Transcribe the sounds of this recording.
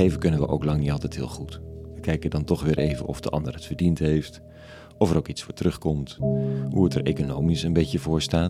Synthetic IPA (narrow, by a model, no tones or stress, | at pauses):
ejvəkɵnənʋə̰ʔo̰wklɑŋnitɑlˠtɛjtɦɪ̰ːlˠχutʋəkɛjkədɑntɔχʋɪːɹʔejvə̰nʔɔ̰fdəʔɑ̰ndəɹətfəɹdintɦejft | ɔfəɾowkitsfʊːɹtrɵχkɔmtɦuətəɹejkonowmisənbejcəvʊːɹstaːt